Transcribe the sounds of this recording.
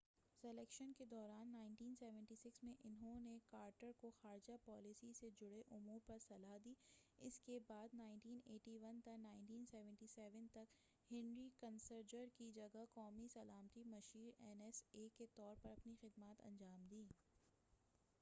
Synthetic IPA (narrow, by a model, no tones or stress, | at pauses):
sɛlɛːkʃənked̪ɔːɾaːnːaːɪ̃nʈiːnsɛːʋɛ̃ɳʈisɪksmẽʔɪnɦõnekaːɾʈəɾkoxaːɾɪd͡ʒapɔːlɪsised͡ʒʊɽeʔʊmuːɾpɐɾsɐlaɦd̪iːɪskebaːd̪naːɪɳʈiːneːʈiʋɐnt̪ɐknaːɪɳʈiːnsɛːʋɛ̃ɳʈisɛːʋənt̪ɐk | hɪ̃nɾikɐnsəɾd͡ʒəɾkid͡ʒɐɡakɔːmisɐlaːmt̪imɐʃiːɾɛnɛseːket̪ɔːɾpɐɾɐpnixɪd̪maːt̪ɐ̰̃ɲd͡ʒaːmd̪iː